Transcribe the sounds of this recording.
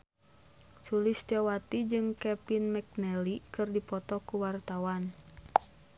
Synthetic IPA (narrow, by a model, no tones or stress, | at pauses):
t͡ʃulist̪ɔwat̪id͡ʒɨŋkɛpinmɛk̚nɛlikɨrdipɔt̪ɔkuwart̪awan